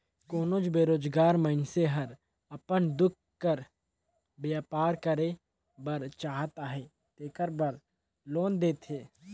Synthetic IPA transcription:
koːnoːd͡ʒbeːɾoːd͡ʒɡaːɾməɪnseɦɐɾ | ɐpənd̪ʊk̚ʰ | kːəɾ | bjaːpaːɾkəɾe | bəɾt͡ʃaːɦt̪aːɦeː | t̪eːkəɾbəɾ | loːnd̪eːt̪ɦeː

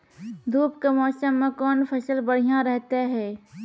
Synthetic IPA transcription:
d̪ʱuːpkamɔːsəmːẽkɔːnfʰɐsəlbɐɽ̤ijãɾɛɦt̪eɦɛː

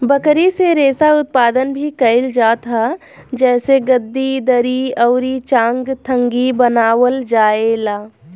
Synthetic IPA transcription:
bəkɾiseɾeːsaʊt̪̚paːd̪ənbʱikɐɪld͡ʒaːt̪ɦa | d͡ʒɛːseɡəd̪ːid̪əɾiəːɾit͡ʃãːŋɡt̪ʰə̃ŋɡibənaːwəld͡ʒaːelaː

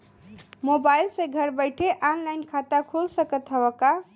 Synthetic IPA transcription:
mobajlsẽɡʱəɾbəjʈʰeʔanlajnkʰat̪akʰulsəkət̪ɦəbəka

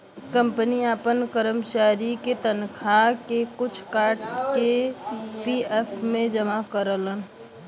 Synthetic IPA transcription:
kə̃mpəniaːpənkəɾəmt͡ʃaːɾiket̪ənkʰakekʊt͡ʃʰkaːɾʈke | piepʰmẽd͡ʒəmakəɾələn

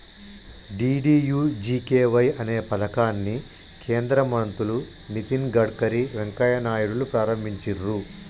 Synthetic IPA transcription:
ɖiːɖiːjuːd͡ʒiːkeːʋɐjɐne̞ːpɐd̪ɐkaːnːi | kʰe̞ːnd̪ɾɐmɐnt̪ulu | nit̪inɡɐɖkɐɾiʋeŋkɐjɐnaːjuɽulupɾaːɾɐmbʱiɲt͡ʃiɾu

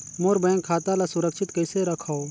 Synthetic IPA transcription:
moɾbə̃ŋkʰaːt̪alasʊɾəkʃɪt̪kəɪseɾɐkʰaːo

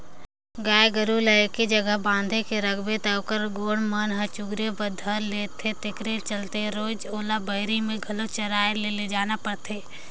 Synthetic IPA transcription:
ɡaːjɡəɾuləkid͡ʒɐɡəɦbãːnd̪ʱekeɾəɡbet̪akəɾɡoːɽmənɦət͡ʃʊɡɾebəd̪ʱəɾleːt̪ʰet̪ɪkɾet͡ʃəlt̪eɾoːd͡ʒoːlabəɦɾimẽɡʱɐlot͡ʃɐɾaːeleled͡ʒaːnapəɽt̪ʰeː

